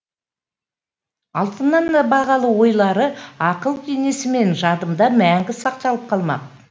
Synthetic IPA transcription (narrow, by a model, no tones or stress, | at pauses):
ɑlˠt̪ənːɑnd̪ɑbɑʁɑlˠəwo̞jlˠɑɾəɑqəlˠkʲʰene̞sɪme̞nʒɑd̪əmd̪ɑmæŋɡʲɪsɑqt̪ɑlˠəp̚qʰɑlˠmɑ̰q̚